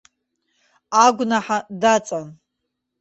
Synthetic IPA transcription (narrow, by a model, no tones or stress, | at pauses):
aɡʷnaħadat͡sʼan